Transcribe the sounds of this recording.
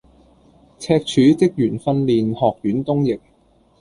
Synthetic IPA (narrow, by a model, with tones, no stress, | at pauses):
t͡sʰɛː˧k̚t͡ʃʰyː˨˥t͡sɪ˥k̚jyː˨˩nfɐ˥nliː˨nhɔː˨k̚jyː˨˥nt̪ʊ˥ŋjɪ˨k̚